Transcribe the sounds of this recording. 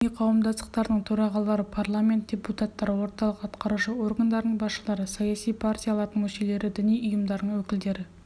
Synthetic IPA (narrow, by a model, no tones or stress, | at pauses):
ijqʰɑwəmd̪ɑst̪əqt̪ɑɾd̪əɴt̪ʰɵɾɑʁɑlˠɑɾəpʰarlˠamʲe̞nt̪̚d̥ʲe̞put̪at̪ːɑɾəwo̞ɾt̪ɑlˠəqɑt̪qɑɾuʃəo̞rɡand̪ɑɾd̪əɴbɑsʃəlˠɑɾəsɑjasijpʰartʲijalˠɑɾd̪əɴmɵʃele̞ɾɪd̪ʏnijʊjəmd̪ɑɾd̪əɴwɵkʲɪld̪e̞ɾɪ